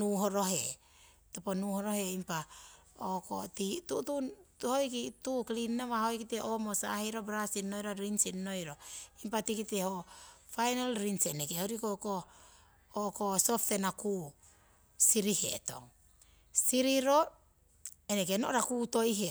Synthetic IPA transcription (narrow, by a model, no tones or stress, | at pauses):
nuɦoɾo̞ɦe | toponuhoɾoɦeimpa | oko̰titututhojkituklinnaβahojkiteʔomosa̰heɾobɾasinːojɾaɾinsinnojɾoimpatikitehofajnalɾinsenekehoɾikoko | okosoptenaku | siɾihḛto̰ŋ | siɾiɾo | enek̬enoʔɾakuːto̞jɦe